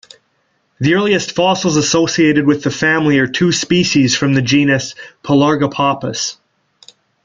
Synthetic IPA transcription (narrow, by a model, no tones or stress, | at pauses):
ðiɜ˞lˠiɨstfɑsl̩ˠzəsoʊsieɪɾɨd̚wɨðɨfæ̃mliə˞tʰʉspiʃiz̥fɹʌ̃mðɨd͡ʒĩnɨspʰəlɑɹɡəpʰɑpə̰s